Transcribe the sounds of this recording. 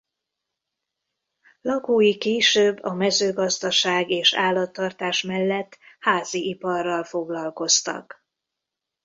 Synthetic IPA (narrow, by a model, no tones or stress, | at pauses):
lɒkoːjikeːʃøːbːɒmɛzøːɡɒzd̪ɒʃaːɡeːʃa̰ːlːɒt̪ːɒrt̪aːʃmɛlːɛt̪ːhaːziʔipɒrːɒlfo̞ɡlɒlko̞st̪ɒ̰k